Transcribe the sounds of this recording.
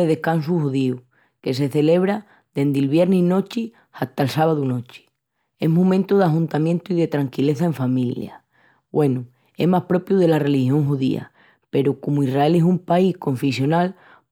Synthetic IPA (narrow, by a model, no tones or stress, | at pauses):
eðe̞hkansuhuðiu | ke̞s̬e̞θe̞le̞β̞ɾa | d̪e̞nd̪elβje̞ɾnino̞t͡ʃi | aht̪aelsaβaðuno̞t͡ʃi̥ | e̞ɦmũmẽnt̪uð̞aɦunt̪amjẽnt̪uiðe̞t̪ɾaŋkile̞θaeɱfamilja̰ | bwʔe̞nu | e̞̰ɦmahpɾo̞pjuðe̞lare̞lihjo̞ŋɦuðḭa̰ | pe̞ɾokomuirrae̞le̞sumpaihko̞ɱfesjo̞nal